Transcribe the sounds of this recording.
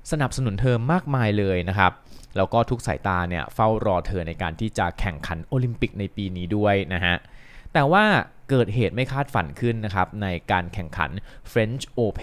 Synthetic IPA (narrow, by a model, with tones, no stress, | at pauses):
sa˧na˨˩p̚sa˧nu˩˦nt̪ʰɤː˧mːaː˥˩k̚maː˧jlɤː˧jna˦˥kʰa˦˥p̚lɛː˦˥wkɔː˥˩t̪ʰu˦˥k̚sa̰˩˦jt̪aː˧ni˥˩ɐfa˥˩wɾɔː˧t̪ʰɤː˧na˧jka̰ː˧nt̪ʰiː˥˩t͡ɕa˨˩kʰɛ˨˩ŋkʰa˩˦nʔoː˧li˧mpi˨˩k̚na˧jpiː˧niː˦˥du˥˩əjna˦˥ɦa˦˥ʔt̪ɛː˨˩waː˥˩ | kɤː˨˩t̪̚ɦeː˨˩t̪̚ma˥˩jkʰaː˥˩t̪̚fa̰˨˧˩nkʰɯ˥˩nːa˦˥kʰa˦˥p̚na˧jkaː˧nkʰɛ˨˩ŋkʰa̰˩˦nfɾe˦˥nt͡ɕʰʔoː˧pʰ